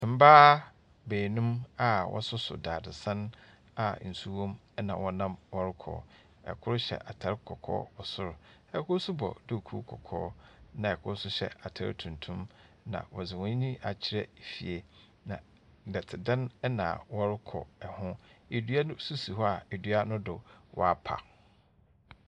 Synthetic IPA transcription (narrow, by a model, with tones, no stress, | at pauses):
m̩˦baː˦ | beː˨nũ˦ma˨wʔɔ̰˦sʊ˦sʊ̰˨daː˨dɪ˨sã˦n | a˨n̩˨su˦wɔ̃˦mɛ˦nã̰˨wɔ˦nã˦mwɔ˦ɾɪ˦kʰɔ̰ː˨ | ɛ̰˨kʰʊ˦ɾʊ˦ɕɛ̰˨ʔa˨tʰa˨ɾɪ˦kʰɔ˨kʰɔ̰ː˦ɔ˨sʊ˦ɾʊ˨ɛ˨kʰʊ˦su˦bɔ̰˨dɪ˦˨kʰṵ˦kʰɔ˨kʰɔ̰ː˦nã˨ɛ˨kʰʊ˦sʊ˦ɕɛ̰˨ʔa˨tʰa̰˨ɾɪ̰˦tʰũ˨ntʰũ˦m | nã̰˨wɔ˨zɪ˨wɔ̃˦ɲ˦ɲĩ˦ʔa˨t͡ɕʰɪ˨ɾɛ˦˨fi˨e˨ | nã˨ | dɛ˨tʰɪ˨dã˦nɛ˦nã̰˨wɔ˦ɾɪ˦kʰɔ̰˨ɛ˨hʊ̃˦e˨dɥa˦ʊ˦su˦si˨ɦɔ˦a˨e˨dɥa˦nʊ̃˦dʊ˨wʔɔ̰˨a˦pʰa̰˨